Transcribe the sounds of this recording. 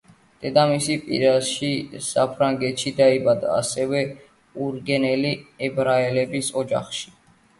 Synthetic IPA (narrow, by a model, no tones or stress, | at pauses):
d̪̥ɛd̪amisipʼḭɾaʃisapʰɾaŋɡɛt̪ʃid̪aibad̪a̰ːsɛvɛ | uɾɡɛnɛliɛbɾaɛlɛbisɔd͡ʒa̰χʃi̥